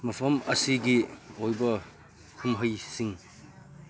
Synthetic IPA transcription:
mɐpʰɐmɐsiɡiojbɐ | kʰumɦɐjsiŋ

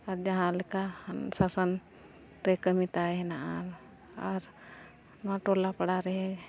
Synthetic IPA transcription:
aɾd͡ʒɐɦãlekasasən | ɾekəmit̪aenaʔaɾ | ɔɾ | nãʈolapəɽaɾɛɦɛ

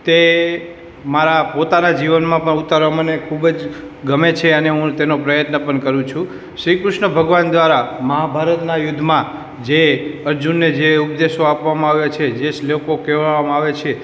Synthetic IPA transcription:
t̪e | maɾapot̪anad͡ʒiʋənmãpəɳut̪aɾʋamənekʰubd͡ʒɡəmet͡ʃʰeəneɦũt̪enopɾəjət̪nəpəɳkəɾũt͡ʃʰũ | ʃɾikɾɪʃnəbʱəɡʋand̪ʋaɾaməɦabʱaɾət̪najʊd̪ʱːmã | d͡ʒeəɾd͡ʒunːed͡ʒeup̚d̪eʃoapʋamãaʋjat͡ʃʰed͡ʒeslokokɛʋʋamãaʋet͡ʃʰe

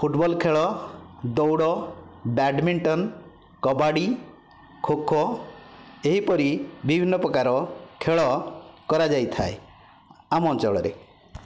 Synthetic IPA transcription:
pʰuʈbɔlkʰeɭɔd̪ɔwɽɔbaɖmiɳʈɔn | kɔbaɽi | kʰokʰɔ | eɦipɔɾibibʱinːɔpɾɔkaɾɔkʰeɭɔkɔɾad͡ʒajt̪ʰa̰e | amɔɔnt͡ʃɔɭɔ̰ɾḛ

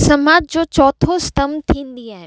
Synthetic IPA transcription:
sɐmaːd͡ʑ̚d͡ʑoːt͡ɕɔːt̪ʰost̪ɐmt̪ʰĩːnd̪iaːɦɪn

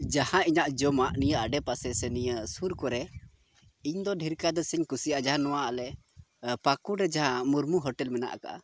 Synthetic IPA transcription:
d͡ʒahãiɲaʔd͡ʒɔmaʔnijəʔaɖɛpasɛsɛnijəsuɾkɔɾɛ | iɲd̪ɔɖʱiɾkad̪əsəɲkusiad͡ʒaɦãnɔwaʔalɛ | pakuɾɛd͡ʒaɦãmuɾmuɦɔʈɛlmɛna̰ʔka̰ʔa̰

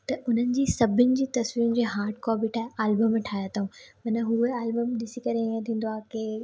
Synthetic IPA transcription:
t̪ɐʔʊn̤ənɪ̆d͡ʑiːsɐbʱɪnɪ̆d͡ʑiːt̪ɐsʋiːɾʊnɪd͡ʑeːɦaːɾʈkɔːbiʈʰaːɦeaːlbəmːʈʰaːjat̪ʰaɦũmɐnəɦueaːlbəmɗɪsikɐɾeiə̃t̪ʰĩːn̆d̪oaːkeː

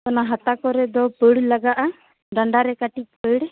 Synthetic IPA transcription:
kɔnaɦat̪akɔɾɛd̪ɔpəɽlaɡaʔa | ɖaɳɖaɾɛkaʈit͡ʃ̚pəɽ

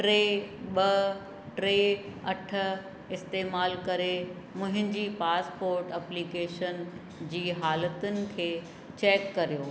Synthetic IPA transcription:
ʈɾeː | ɓɐ | ʈɾeːɐʈʰə̆ | ɪst̪eːmaːlkɐɾe | mʊ̃ɦɪ̃ɲd͡ʑiːpaːspoːɾʈɐpliːkeːʃən | d͡ʑiːɦaːlət̪ʊnɪ̆kʰeː | t͡ɕeːkːɐɾijoː

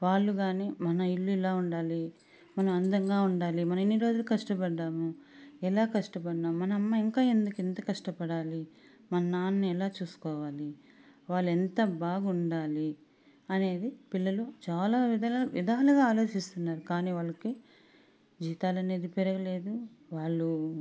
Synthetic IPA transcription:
ʋaːɭːuɡaːniːmɐnɐiɭːuɛlaːuɳɖaːli | mɐnɐmɐnd̪ɐŋɡaːuɳɖaːlimɐnɐmenːiɾo̞ːd͡ʒulukɐʂʈɐpɐɖːaːmuɛlaːkɐʂʈɐpɐɖːaːmmɐnɐɐmːɐiŋkaːend̪ukent̪ɐkɐʂʈɐpɐɽaːli | mɐnɐnaːnniɛlaːt͡ʃuːsu̥kɔːʋaːli | ʋaːɭːɛnt̪ɐbaːɡuɳɖaːli | ɐne̞ːd̪ipiɭːɐlut͡ʃaːlaːʋid̪ɐʋḭd̪ʱaːluɡaːaːlo̞ːt͡ʃist̪unːaːɾukaːniːʋaːɭːɐki | d͡ʒiːt̪aːlɐne̞ːd̪ipɛɾɐɡɐle̞ːd̪uʋaːɭːu

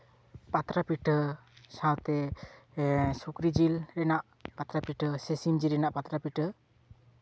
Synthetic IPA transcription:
pat̪ɾapiʈ | sãwt̪ɛ | sukɾid͡ʒilɾɛnaʔ | pat̪ɾapiʈəsɛsimd͡ʒiɾɛnaʔpat̪ɾapiʈə

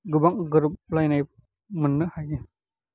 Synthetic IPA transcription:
ɡɯbaŋɡɯɾɯp̚lajnajp̚ | mɯnːɯhaji

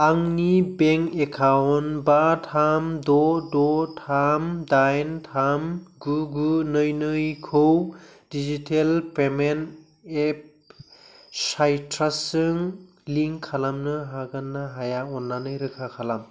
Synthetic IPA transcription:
aŋnibeŋkekʰawnbatʰamdɔdɔtʰamdajntʰamɡuɡunɯjnɯjkʰowdid͡ʒitʰelpemen | ep̚ | sajtʰɾasɯŋ | liŋkʰalamnɯɦaɡanːaɦajaɔnːanɯjɾɯkʰakʰalam

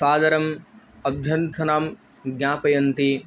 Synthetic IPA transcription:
saːd̪ɐɾɐm | ɐbʱjɐnt̪ʰɐnaːm | ɡɲaːpɐjɐnt̪i

